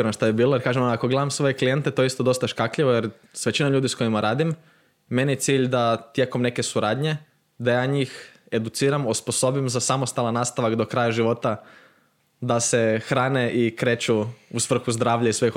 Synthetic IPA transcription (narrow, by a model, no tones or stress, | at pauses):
ɾnʃt̪ajebiːlˠojeɾkaːʒemonako̞ɡle̞d̪amsʋo̞je̞klijent̪e̞t̪oeist̪od̪o̞st̪aʃkakʎiʋojeɾ | sʋet͡ɕinaʎuːd̪isko̞imaɾaːd̪imː | e̞nijet̪siːʎd̪at̪je̞ːko̞mne̞kesuɾaːd̪ɲe̞ | d̪ajaːɲiːx | e̞d̪ut̪siːɾamosposo̞bimzasamost̪alˠanːaːst̪aʋakd̪o̞kɾajaʒiʋo̞t̪a | d̪asexɾaːneʔikɾe̞ːt͡ʃuusʋr̩xuzd̪ɾaːʋʎaisʋex